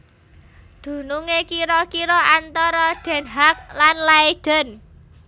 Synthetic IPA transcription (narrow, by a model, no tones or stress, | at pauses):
d̪̥ṳnuŋekiɾɔkiɾɔʔant̪ɔɾɔɖ̪̥ɛ̤nɦak̚lanlaed̥ɛ̤n